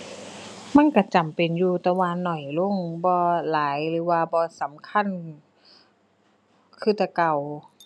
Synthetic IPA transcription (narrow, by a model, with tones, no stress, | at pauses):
ma˧˥˨nka˧˩t͡ɕa˨˩mpe˨˩njuː˧t̪ɛː˧waː˧nɔ˨˩jlo˧˥˨ŋbɔː˧laː˨˦jlɯː˨˦waː˧bɔː˧˦sa˨˦mkʰa˧˥˨n | kʰɯː˧˩t̪ːa˧ka˨˩w